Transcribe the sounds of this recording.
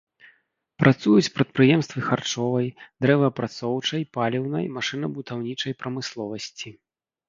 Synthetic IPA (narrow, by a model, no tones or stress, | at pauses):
pɾʔat̪sujut͡sʲpɾɐt̪̚pɾɨjɛmst̪vɨxart͡ʂɔvɐjd̪ɾɛvɐpɾat̪sɔwt͡ʂɐjpalʲiwnɐ̰jmaʂɨnɐbut̪awnʲit͡ʂɐjpɾɐmɨslˠɔvɐsʲt͡sʲi